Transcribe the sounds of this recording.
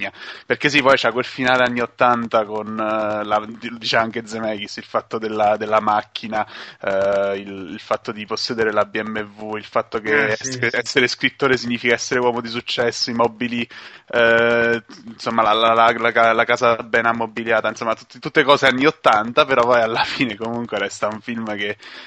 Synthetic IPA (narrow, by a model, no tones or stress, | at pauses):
aperkes̬ipɔjt͡ʃakwelfinaːleanːiot̪ːant̪akonlad̪it͡ʃɛmaŋked̪zemɛkisilfat̪ːod̪elːad̪elːamakʰːina | ililfat̪ːod̪iposːɛːd̪eɾelabiɛmːevuilfat̪ːokeɛɛsːeɾeskɾit̪ːoːɾesiɲːiːfikaɛsːeɾewɔːmod̪is̬ut͡ʃːɛsːoimɔbiliɛ | nsomːalalalalakalakaːzabɛːnamːobiljaːt̪ainsomːat̪ut̪ːit̪ut̪ːekɔːzeanːiot̪ːant̪apeɾɔvajalːafiːnekomuŋkweɾɛst̪auɱfilmke